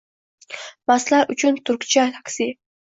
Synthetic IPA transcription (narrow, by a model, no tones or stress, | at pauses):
maslaɾʔʊt͡ʃʰʊnt̪ʰʊɾkʲt͡ʃʰat̪ʰaksi